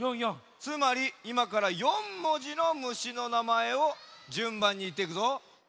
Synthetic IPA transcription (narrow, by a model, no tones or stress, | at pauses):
jojo | t͡sɨmaɾʲiimakaɾajõ̞mːo̞ʑino̞mɯ̟ɕino̞namae̞od͡ʑɨ̃mbãɲ̟ːiiːt̪ːe̞ikɯ̟zo